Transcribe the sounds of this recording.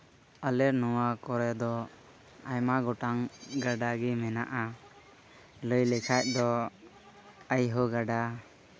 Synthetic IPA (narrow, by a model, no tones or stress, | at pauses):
əlɛɾnɔwakɔɾɛd̪ɔ | ajmaɡɔʈaŋɡaɖaɡimɛnaʔa | ləjlɛkʰac̚d̪ɔ | əjɦɔɡaɖa